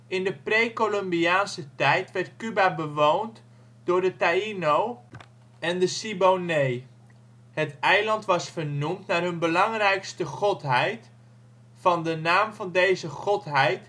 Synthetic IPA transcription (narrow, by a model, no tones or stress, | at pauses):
ɪndəprejkolɔmbiaːnsətɛjtʋɛɹtkybabəʋownt | d̥ʊːɹdətainow | ɛndəsibownej | hətɛjlɑntʋɑsfərnumtnaːrɦɵnbəlɑŋrɛjkstəχɔtɦɛjt | fɑndənaːmvɑndejzəχɔtɦɛjt